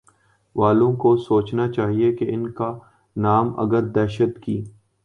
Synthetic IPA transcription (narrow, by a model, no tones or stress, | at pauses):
ʋaːlõkosoːt͡ʃnat͡ʃaːɦiekeɪnka | naːmɐ̰ɡəɾd̪ɛːʃət̪kiː